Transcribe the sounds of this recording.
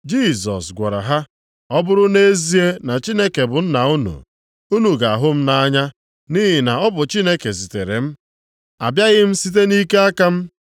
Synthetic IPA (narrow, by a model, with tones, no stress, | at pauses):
d͡ʒi˦˨s̬ɔ̰˨sɡʷa˨ɾa̰˨ɦa˦ | ɔ˦bʊ˦ɾʊ˦ne˦e˦zi˦e˦na˨t͡ʃi˦ne˦ke˨bʊ˨n̩˦na˨u˦nṵ˨ | u˦nu˨ɡa˨a˨ɦʊ˦m̩˦na˦ɲa˦ | ni˦ɦɪ˨na˨ɔ˦bʊ˨t͡ʃi˦ne˦ke˨s̬i˨te˨ɾḛ˨m̩˦ | a̰˨bja˦ɣɪ˦m̩˦si˦t̬e˦ni˦ke˦a˦ka˦m̩˦